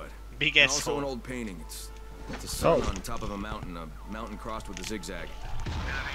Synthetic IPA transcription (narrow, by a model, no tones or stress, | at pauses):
ʌt̚ | biɡɛɔlˠsoʊə̃noʊlˠd̚pʰẽɪ̃ɾ̃ɪ̃ŋɨts | sɨsoə̃ntʰɑpʌvəmãʊ̃nʔn̩ə | mãʊ̃ʔn̩kʰɹ̥ɔst̚wəðɨzɪɡzæɡ̥̚